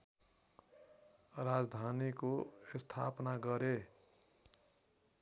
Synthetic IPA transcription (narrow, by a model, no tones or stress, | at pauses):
ɾad͡zd̪ʱanikoest̪ʰapnaɡʌɾe